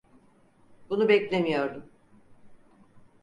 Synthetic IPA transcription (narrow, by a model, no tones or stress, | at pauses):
bunubɛclʲemijo̞ɾd̪um